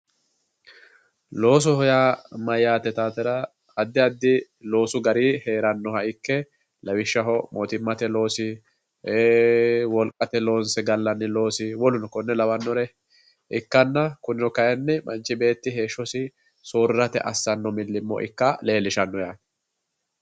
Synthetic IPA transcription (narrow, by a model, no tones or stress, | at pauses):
lo̞ːs̬ɔhɔjamɐjːaːt̪ːɛt̪aːt̪ɛɾɐː | d̪ːɪɐd̪ːɪ | lo̞ːsʊɡɐɾiːhe̞ːɾɐnːɔhɐɪkːɛ | lɐwɪʃːɐɦɔmoːt̪ɪmːɐt̪ɛlo̞ːsɪ | eːwɔlkʼɐt̪ɛlo̞ːnsɛɡɐlːɐnːɪlo̞ːsɪwɔlʊnɔkɔnːɛlɐwɐnːɔɾɛ | ɪkːɐnːɐkʊnːɪnɔkɐjɛnːɛmɐ̰nt͡ʃːɪbe̞ːt̪ːɪɦe̞ːʃːɔsɪ | soːɾɾɐt̪ɛ̰ʔɐsːɐnːɔmɪlːɪmːɔ̰ʔɪ̰kːɐle̞ːlːɪʃɐnːɔjaːd